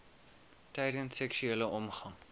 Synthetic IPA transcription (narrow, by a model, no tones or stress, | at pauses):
tɛjdənssɛkʃyeːləʔɔmχɐŋ